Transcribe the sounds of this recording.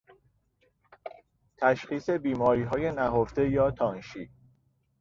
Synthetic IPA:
t̪ʰæʃxiːse̞biːmɒːɾiːɦɒːje̞næɦoft̪e̞jɒːt̪ʰɒːnʃiː

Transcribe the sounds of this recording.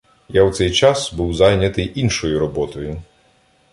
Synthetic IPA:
jawt̪sɛjt͡ʃasbuwzajnʲɐt̪ɪʔinʃɔjʊɾɔbɔt̪ɔjʊ

